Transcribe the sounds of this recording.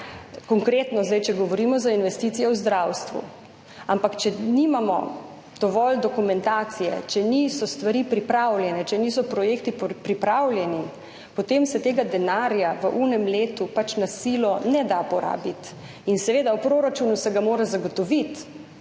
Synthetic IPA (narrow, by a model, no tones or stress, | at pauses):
kɔŋkɾeːt̪nɔzd̪ajt͡ʃɛɡɔʋɔɾiːmɔzainʋɛst̪it̪sijɛwzd̪ɾawst̪ʋṵ | ampakt͡ʃɛnimamɔ̰ | d̪̥ɔʋɔld̪ɔkumɛnt̪aːt̪sijɛ̰t͡ʃɛnisɔst̪ʋaɾipɾipɾawlʲjɛnɛt͡ʃɛnisɔpɾɔjeːkt̪ippɾipɾawlʲjɛni | pɔt̪eːmsɛt̪eːɡad̪ɛnaːɾjaʋəʔunɛmleːt̪upat͡ʃnasiːlɔnɛd̪apɔɾa̰ːbit̪ | insɛʋeːd̪awpɾoːɾat͡ʃuːnusɛɡamoːɾɛzaɡɔt̪ɔʋit̪